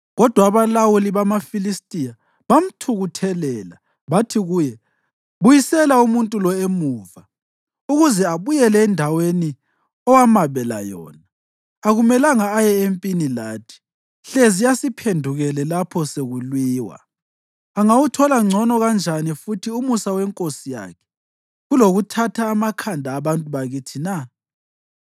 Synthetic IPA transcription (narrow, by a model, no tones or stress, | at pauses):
ɣɔd̥ʱwaːβalawuliβamafilistʼija | βam̩tʰuɣutʰɛlɛːla | βatʰiɣujɛ | βujisɛlaumuntʼulɔemuːva | uɣuzɛaβujɛlɛːndʱaweni | ɔwamaβɛla̰jɔ̰ːnaː | ɣumɛlaŋaːjɛempʼinilaːtʰi̥ | ɬezijasipʰendʱuɣɛlɛlapʰɔseɣulwiːwa̰ | aŋawutʰɔlaŋ͡ǀʱɔnɔɣand͡ʒʱanifutʰiumusawɛŋkʼosija̰kʰɛ̥ | ɣuloɣutʰatʰaːmakʰandʱaːβantʼuβaɣitʰina